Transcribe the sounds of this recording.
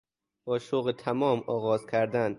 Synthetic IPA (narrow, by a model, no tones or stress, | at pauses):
b̥ɒːʃoɣet̪ʰæmɒːmɒːɣɒːzkʲʰæɾd̪æn